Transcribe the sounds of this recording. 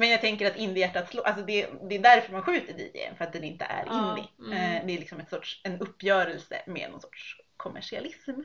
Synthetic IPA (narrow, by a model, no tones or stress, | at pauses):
mɛnjɑaɡ̚t̪ʰɛŋkəɾat̪ɪnd̪ɪjæʈːat̪sloːʔals̬ɔd̪ɛd̪ɛːd̪æɾfœɾmanɧʉ̟ːt̪əd̪ḭːdɛ̰jə̰nfœɾat̪̚d̪ɛnɪnt̪ə̰ʔæ̰ɾʔɪnd̪ɪ̰d̪ɛæɾɭɪksɔmɛt̪sɔʈʂɛnɵpːjœːɾɛlsə̰mḛːnɔ̰nsɔ̥ʈʂkʰɔmʔæ̰ʂɪa̰lɪsm